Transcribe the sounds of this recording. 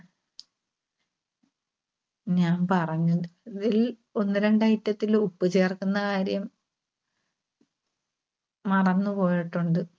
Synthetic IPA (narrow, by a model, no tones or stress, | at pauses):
ɲaːnpɐrɐɲːuðɨiðil | o̞nːɨɾe̞ɳɖɐjitːɐt̪ːilupːɨt͡ɕe̞ːrkunːɐkaːɾjɐm | mɐrɐnːupo̞ːjiʈːuɳɖɨ